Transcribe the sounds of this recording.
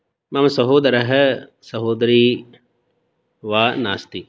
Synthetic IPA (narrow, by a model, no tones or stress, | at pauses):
mɐmɐsɐɦoːd̪ɾɐɦɐ | sɐɦoːd̪ɾiː | ʋaːnaːst̪i